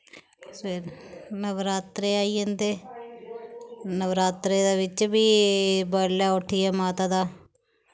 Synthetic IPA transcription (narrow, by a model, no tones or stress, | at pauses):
feɾnəʋɾaːt̪ɾeːaːiːə̃nd̪eː | nəʋɾaːt̪ɾeːd̪aːʋɪt͡ʃbiːbəɾlaːoʈʰiːɛːmaːt̪aːd̪aː